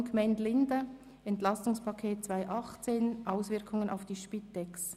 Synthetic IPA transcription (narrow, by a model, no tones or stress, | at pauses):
kmɛntlɪndə | ɛntlɑstʊŋspʰɑkʰeːt̚t͡svaɪʔɑχt͡seːnʔaʊsvɪɐkʰʊŋəna̰ʊfd̥iːʃpitɛks